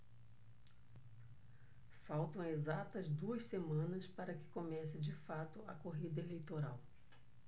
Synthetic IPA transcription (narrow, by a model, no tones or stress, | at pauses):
fawt̪ɐ̃w̃ezat̪ɐzd̪uɐssemɐ̃nɐspaɾɐkɪ̥komɛsɪd͡ʒɪfat̪ʊɐkoɦid̪ɐelejt̪oɾaw